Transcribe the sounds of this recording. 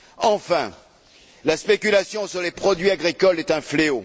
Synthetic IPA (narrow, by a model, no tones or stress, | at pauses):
ɑ̃fɛ̰̃ | laspekʲylasjɔ̃syʁlepχɔd̪ɥiaɡʁikɔlɛt̪ɛ̃fleo